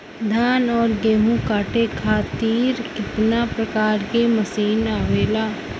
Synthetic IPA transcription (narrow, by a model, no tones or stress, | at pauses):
d̪ʱaːnɔːɾɡeːmũkaːʈekʰaːt̪iːɾkɪt̪napɾəkaːɾkeməsiːnaːʋeːlaː